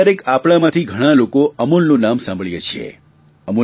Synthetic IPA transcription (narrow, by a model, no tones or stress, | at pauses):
əɾekapɭ̃amãt̪ʰiɡʱəɽ̃alokoʔəmulnũnamsãmbʱəɭjet͡ʃʰḛ | əmu